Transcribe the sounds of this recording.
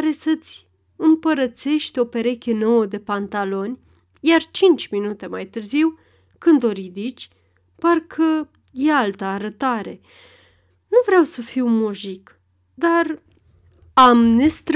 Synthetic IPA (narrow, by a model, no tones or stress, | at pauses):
ɾe̞sət̪sʲ | ɨmpəɾət̪se̞ʃt̪eo̞pe̞ɾe̞kʲe̞no̞wəd̪e̞pant̪alo̞nʲ | jart͡ʃint͡ʃʲminut̪e̞majt̪ɨrziw | kɨnd̪o̞ɾid̪it͡ʃʲ | parkʰə | je̞alt̪əːɾət̪aɾe̞ | nuvɾeawsəfiwmoʒik | d̪ar | amnest̪ɾ